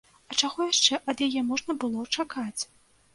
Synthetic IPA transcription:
ɐt͡ʂaɣɔjaʂt͡ʂɛʔɐd̪jajɛmɔʐnɐbɨlˠɔt͡ʂakat͡sʲ

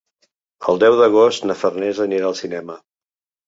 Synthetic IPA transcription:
ə̰lˠd̪ɛwðəɣ̞ost̪nəfərnɛzəniɾaəlˠsinɛmə

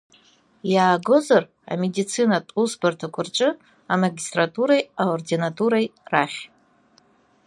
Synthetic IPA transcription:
jaːɡo̞zar | a̰medit͡sʰinatʼusbartʰakʷʰʊrt͡ʃʼɨ | amaɡʲistʼratʼuɾajaordinatʼuɾajraχʲ

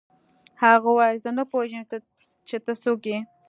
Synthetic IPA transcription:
haɣawɑjzənapoʒəm | t͡ʃet̪əsoke

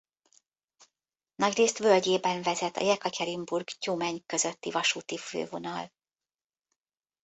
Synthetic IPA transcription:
nɒɟreːst̪ʋølɟeːbɛɱvɛzɛt̪ɒ̰jɛkɒcɛɾimburɡcuːmɛɲkø̞zø̞t̪ːivɒʃuːt̪ifø̰ːvo̞nɒl

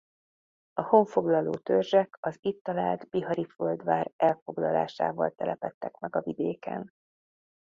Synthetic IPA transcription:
ɒho̞ɱfo̞ɡlɒloːt̪ørʒɛkɒzit̪ːɒlaːld̪biɦɒɾiføld̪ʋaːrɛlfo̞ɡlɒla̰ːʃa̰ːvɒ̰lt̪ɛlʔɛpɛt̪ːɛkmɛɡɒvid̪eːkɛ̰n

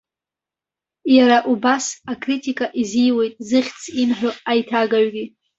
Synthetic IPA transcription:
jaɾaʔubasakʼritʼikʼaʔizijwe̞jtʼzɨχʲt͡sʰinħʷᶣoajtʰaɡaɥɡʲi

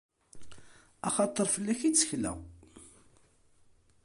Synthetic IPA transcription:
ɑχɑt̪ˤːəɾˤfəlːæçit͡sːə̥çlæ̰

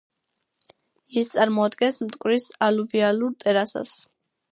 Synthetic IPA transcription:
ist̪sʼaɾmɔad̪ɡɛnsmt̪ʼkʼwɾisaluvialuɾt̪ʼɛɾasa̰s

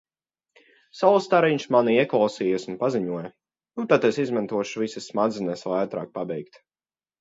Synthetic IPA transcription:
salˠst̪aɾiɲʃmaniiɛklˠawsiːjɛsunpaziɲuɔjɐ | nut̪at̪esizmant̪uɔʃuvisɨsmad̪zɨnɛslat̪ɾa̰ːk̚pabɛjkt̪

